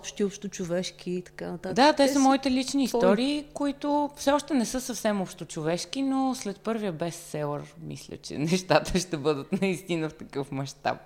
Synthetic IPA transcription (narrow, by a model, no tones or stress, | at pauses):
pʃt̪iɔpʃt̪ʊt͡ʃʊvɛʃk̟ʲiːt̪ɐ̥kanɐt̪ad̪at̪ɛsəmɔit̪ɛlit͡ʃniːst̪ɔɾiːkoit̪ʊfsɛɔʃt̪ɛnɛsɤsəfsɛmɔpʃt̪ot͡ʃovɛʃkinoslɛt̪̚pɤɾvijəbɛsːɛlˠəɾmḭslʲə̰t͡ʃɛ̰nɛʃt̪at̪əʃt̪ɛbɤd̪ət̪nɐist̪inəft̪ɐkɤfmɐʃt̪a̰p̚